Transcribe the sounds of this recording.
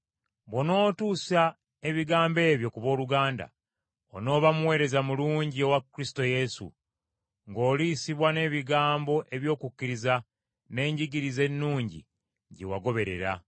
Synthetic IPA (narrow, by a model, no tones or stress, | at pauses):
βono̞ːtuːsa | e̞βiɡaːmbe̞ːβjo̞kuβo̞ːluɡaːnda̰ | o̰no̞ːβamuwe̞ːɾe̞zamuluːɲɟio̞wakːɾisto̞je̞sṵ | ŋɡo̞ːliːsiβwane̞ːβiɡaːmbo̞ʔe̞βjo̞ːkukːiɾiza | ne̞ːɲɟiɡiɾize̞nːuːɲɟḭ | ɟewaɡo̞βe̞ɾe̞̰ɾa̰